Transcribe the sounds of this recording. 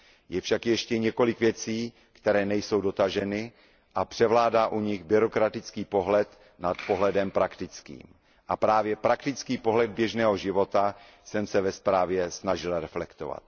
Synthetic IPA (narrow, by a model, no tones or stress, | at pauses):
jɛfʃakjɛʃcɛɲɛko̞lɪkvjɛt͡siː | kt̪ɛɾɛːnɛjso̞wdo̞t̪aʒɛnɪ | ʔapr̝̥ɛvlaːdaːʔuɲɪɣbɪɾo̞kɾat̪ɪt͡skiːpo̞ɦlɛt̪ | nat̪po̞ɦlɛdɛmpɾakt̪ɪt͡skḭːm | ʔapɾaːvjɛpɾakt̪ɪt͡skiːpo̞ɦlɛd̪̚bjɛʒnɛːɦo̞ʒɪvo̞t̪a | sɛmsɛvɛspɾaːvjɛsnaʒɪlɾɛflɛkt̪o̰va̰t̪̚